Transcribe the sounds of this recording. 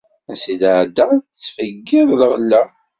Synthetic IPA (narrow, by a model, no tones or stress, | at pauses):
æsilʕd̪æt͡sːfəɡːɪðlʁlːæ